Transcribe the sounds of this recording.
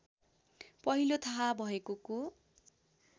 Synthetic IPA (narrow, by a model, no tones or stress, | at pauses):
pʌɦilot̪ʰaɦabʱʌekoko